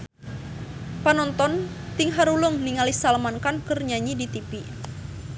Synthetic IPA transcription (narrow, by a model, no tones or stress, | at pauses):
panɔnt̪ɔn | t̪iŋɦaɾulʊŋniŋalisalmankankərɲaɲidit̪ipi